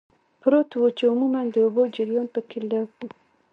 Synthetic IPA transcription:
pɾot̪wot͡ʃeʊmumand̪əobod͡ʒiɾjonp̪əkʰilau

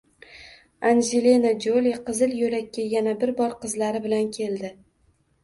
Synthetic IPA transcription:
anʒelenad͡ʒoliqɨzɪljoɾakʲːajanabɪɾbɒɾqʰɨzlaɾɪbɪlankʲʰe̞ld̪ɪ

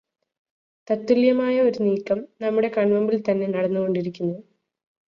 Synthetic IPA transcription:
t̪ɐt̪ːuljɐmaːjɐo̞ɾuniːkːɐmnɐmːuɽe̞kɐɳmɐmbilt̪ɐnːe̞nɐɽɐnːuɣo̞ɳɖiɾikʲːunːu

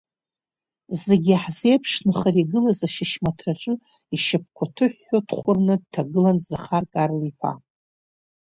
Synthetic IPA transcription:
zeɡʲɪaħzejpʰʂnɨχariɡɨlazaʃɪʃmatʰraʈ͡ʂʼɨ | iʃɪp̚ʰkʷʰatʰɨħːotχʷʊrnɨd̚tʰaɡɨlanzaχarkʼarlipʰa̰

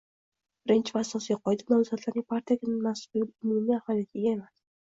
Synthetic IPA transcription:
b̥ɪɾɪnt͡ʃʰvasɒsijqʰɒjd̪ɪnawzat̪ʰlaɾnɪŋʲpʰaɾt̪ʰijakʲʰɪnmasbolɪpʊmumiahvɒlˠijat̪ʰɪɡʲaemas

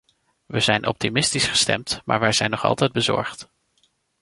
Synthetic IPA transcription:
ʋəzɛjnʔɔ̰p̚timɪstisχə̥stɛ̰mtmʔa̰ːɹʋɛjzɛjnːɔχɑ̰lˠtɛjd̚bəzɔ̰ɹχt

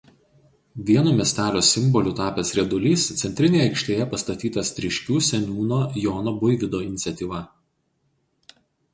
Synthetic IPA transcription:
ʋʲiɛnoːmʲiɛsʲt̪ʲæːlʲoːsʲɪmbɔlʲuːt̪ɑːpʲɛsɾʲɛd̪ʊlʲiːst̪sʲɛnʲt̪ɾʲɪnʲeːjɛɪkʃʲt̪ʲeːjɛpɐst̪ɐt̪ʲiːt̪ɐst̪ʲɾʲɪʃʲkʲuːsʲɛnʲuːnoːjoːnobʊɪʋʲɪd̪oːɪnʲɪt̪sʲɛt̪ʲiːʋɐ

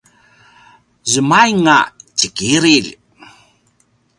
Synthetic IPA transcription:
zəmajŋat͡ɕəkiɾil

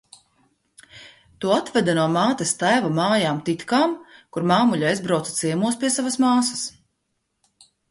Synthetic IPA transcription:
t̪uɔat̪vɛd̪anuɔmaːt̪ɐst̪ajvamaːjaːmt̪it̪kaːmkuɾmaːmuʎʲaazbɾawt̪sḁt̪siɛmuɔspʲiɛsavɐsmaːsɐ̥s

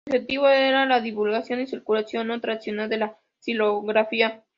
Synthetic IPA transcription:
xet̪iβoeɾalaðiβulɣasjo̞nisiɾkulasjo̞not̪ɾaðisjonald̪e̞la | siloɣɾafia

